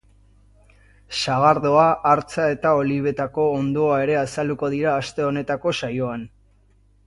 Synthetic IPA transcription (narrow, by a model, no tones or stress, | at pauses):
ʃaɣaɾðo̞aʔːɾt͡sae̞t̪ao̞liβ̞e̞t̪ako̞ːnd̪o̞ae̞ɾe̞asald̪uko̞ð̞iɾaːst̪e̞o̞ne̞t̪ako̞sajo̞an